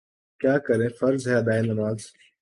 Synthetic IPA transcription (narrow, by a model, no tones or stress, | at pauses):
kjaːkɐɾẽfɐɾzɦeɐd̪aːinɐɾmaːz